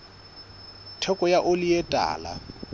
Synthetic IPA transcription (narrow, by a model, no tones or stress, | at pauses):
tʰɛkʼɔjaʔʊlɪetʼa̰ːla̰